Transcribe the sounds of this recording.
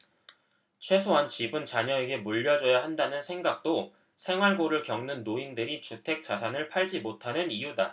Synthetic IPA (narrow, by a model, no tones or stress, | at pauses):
t͡ɕʰwe̞sʰoɦant͡ɕibɯnt͡ɕaɲʌe̞ɡe̞muʎːʌd͡ʑʌjaɦandanɯnsʰe̞ŋɡak̚t͈o | sʰe̞ŋɦwaɭɡoɾɯɭkjʌŋnɯnːoindɯɾit͡ɕutʰe̞k̚t͡ɕ͈asʰanɯɭpʰaɭd͡ʑimotʰanɯnijuda